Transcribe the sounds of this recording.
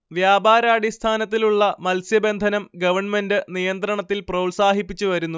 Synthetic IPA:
ʋjaːbaːɾaːɖist̪ʰaːnɐt̪̬ːiluɭːɐmɐlsjɐbe̞nd̪ʱɐnɐmɡɐʋɐrɳme̞ndɨnijɐnt̪rɐɳɐt̪ːilprɐulsaːɦipːit͡ɕːuʋɐɾunːu

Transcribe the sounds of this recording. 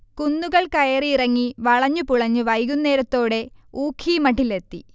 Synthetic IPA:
kunːuɣɐɭkɐjɐriirɐŋːiʋɐɭɐɲːupuɭɐɲːuʋɐjɣunːe̞ːɾɐt̪ːo̞ːɽe̞uːkʰːimɐʈːilet̪ːi

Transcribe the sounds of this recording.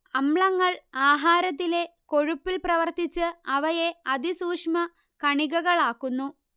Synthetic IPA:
ɐmɭɐŋːɐɭaːɦaːɾɐt̪ːile̞ko̞ɻupːilprɐʋɐrt̪it͡ɕːɨɐʋɐjeɐd̪isuːkʂmɐ | kɐɳiɣɐɣɐɭaːkːunːu

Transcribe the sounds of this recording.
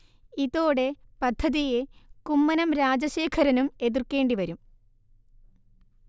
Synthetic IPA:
iðoːɽe̞pɐd̪ʱːɐðije̞kumːɐnɐmɾaːd͡ʑɐɕe̞ːkʰɐɾɐnume̞ðirke̞ːɳɖiʋɐɾum

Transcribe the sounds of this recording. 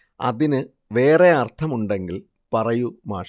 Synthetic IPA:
ɐ̰ðinɨ | ʋe̞ːre̞ɐrt̪ʰɐmuɳɖe̞ŋɡil | pɐrɐjumaːʂ

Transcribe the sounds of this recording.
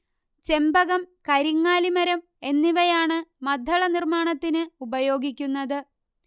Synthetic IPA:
t͡ɕe̞mbɐɣɐmkɐɾiŋːaːlimɐɾɐm | e̞nːiʋɐjaːɳɨmɐd̪ʱːɐɭɐnirmaːɳɐt̪ːinɨubɐjo̞ːɡikʲːunːɐðɨ

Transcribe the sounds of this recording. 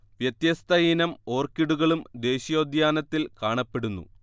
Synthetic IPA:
ʋjɐt̪jɐst̪ʰɐjinɐmo̞ːrkiɽuɣɐɭumd̪e̞ːɕijo̞ːd̪jaːnɐt̪ːilkaːɳɐpːe̞ɽunːṵ

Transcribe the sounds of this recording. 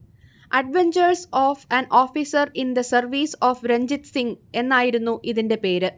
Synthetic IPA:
ɐɖʋeɲd͡ʑɐrsoːfɐnʔoːfisɐrind̪ɐsɐrʋiːsoːfɾeɲd͡ʑit̪siŋe̞nːaːjiɾunːuʔiðinde̞pe̞ːɾɨ

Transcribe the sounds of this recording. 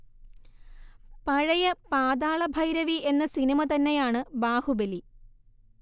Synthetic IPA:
pɐɻɐjɐpaːd̪aːɭɐbʱɐjɾɐʋie̞nːɐsinimɐt̪ɐnːejaːɳɨbaːhubeli

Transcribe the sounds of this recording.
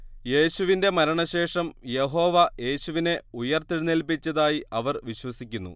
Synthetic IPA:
je̞ːɕuʋinde̞mɐɾɐɳɐɕe̞ːʂɐmje̞ɦo̞ːʋɐje̞ːɕuʋine̞ujɐrt̪iɽunelpit͡ɕːɐðaːjiɐʋɐrʋiɕwɐsikʲːunːṵ

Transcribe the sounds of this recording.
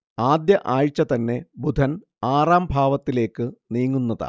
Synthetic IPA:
aːd̪jɐʔaːɻt͡ɕːɐt̪ɐnːe̞bud̪ʱɐn | aːraːmbʱaːʋɐt̪ːile̞ːkːɨniːŋːunːɐða̰

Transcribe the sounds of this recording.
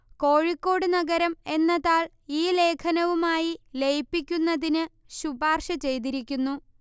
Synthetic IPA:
ko̞ːɻikːo̞ːɽɨnɐɡɐɾɐme̞nːɐðaːɭ | iːle̞ːkʰɐnɐʋumaːjilejpːikʲːunːɐðinɨ | ɕubaːrʂɐt͡ɕe̞jt̪̬iɾikʲːunːu

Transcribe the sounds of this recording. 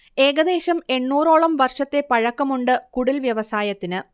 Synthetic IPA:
e̞ːɡɐd̪e̞ːɕɐme̞ɳːuːro̞ːɭɐmʋɐrʂɐt̪ːe̞pɐɻɐkːɐmuɳɖɨkuɽilʋjɐʋɐsaːjɐt̪ːinɨ

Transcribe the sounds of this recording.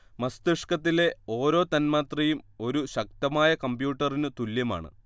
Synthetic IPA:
mɐst̪ɨʂkɐt̪ːile̞o̞ːɾo̞ːt̪ɐnmaːt̪rɐjumo̞ɾuɕɐk̚t̪ɐmaːjɐkɐmbjuːʈːɐrinɨt̪uljɐma̰ːɳɨ̰

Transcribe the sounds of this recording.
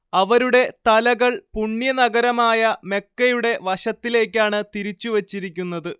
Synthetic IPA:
ɐʋɐɾuɽe̞t̪ɐlɐɣɐɭpuɳːjɐnɐɡɐɾɐmaːjɐme̞kːɐjuɽe̞ʋɐɕɐt̪ːile̞ːk̬ʲːaːɳɨt̪iɾit͡ɕːuʋɐt͡ɕːiɾikʲːunːɐðɨ

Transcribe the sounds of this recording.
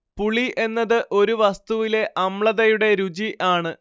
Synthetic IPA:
puɭiʔe̞nːɐðɨʔo̞ɾuʋɐst̪uʋile̞ʔɐmɭɐðɐjuɽe̞ɾud͡ʑiʔaːɳɨ

